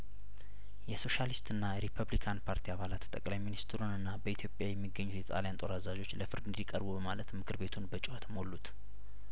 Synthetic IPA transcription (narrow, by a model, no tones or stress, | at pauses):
jɛso̞ʃalist̪ɨnːajɛɾipʰəβlikʰanpʰaɾt̪ʰiaβalat̪t̪ʼəkʼlajminist̪ʰɨɾunɨnːabəit̪ʰjo̞pʼjajɛmːiɡːəɲːut̪jɛt̪ʼa̰ljant̪ʼo̞ɾazad͡ʒo̞t͡ʃːləfɨɾd̪ɨnd̪ikʼəɾbubəmalət̪mɨkʰɨɾbe̞t̪ʰunbət͡ʃʼuhat̪ʰmolːut̪